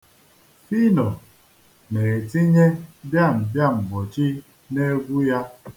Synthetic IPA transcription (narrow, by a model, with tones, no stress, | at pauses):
fi˦nɔ˨ | ne˨e˨ti˦ɲe˦bja˦˨m̩˨bja˦m̩˨ɡ͡bɔ˨t͡ʃi˦ | ne˦ɡʷu˦ja˦